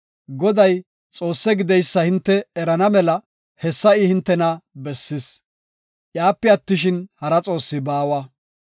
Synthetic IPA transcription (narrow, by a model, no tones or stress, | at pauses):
ɡɔd̪ɐj | t͡sʼo̞ːsːɛɡɪd̪ɛjsːɐhɪnt̪ːɛɛɾɐnɐmɛlɐ | hɛsːɐɪhɪnt̪ːɛnɐbɛsːɪs | ʔjaːpːɛɐt̪ːɪʃɪnhɐɾɐt͡sʼo̞ːsːɪbaːwɐ